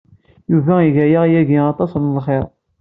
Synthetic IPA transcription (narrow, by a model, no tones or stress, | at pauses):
juvæiʝæjaʁjæʝiɑt̪ˤɑsnlχeɾˤ